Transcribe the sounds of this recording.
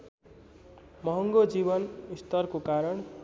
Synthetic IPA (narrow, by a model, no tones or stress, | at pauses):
mʌɦʌŋɡod͡zibʌnist̪ʌrkokaɾʌɳ